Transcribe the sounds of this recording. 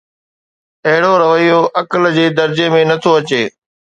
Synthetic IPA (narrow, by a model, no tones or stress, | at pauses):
ɐɦɪɽoɾɐʋəijoʔɐkəld͡ʑeːd̪ɐɾd͡ʑemẽnɐt̪ʰoɐt͡ɕeː